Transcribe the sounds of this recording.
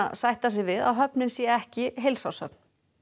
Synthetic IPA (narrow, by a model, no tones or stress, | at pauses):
sajht̪as̬ɪvɪða̰wɦœpnɪnsjɛɛhcɪɦejlsawsœ̰p̚n̥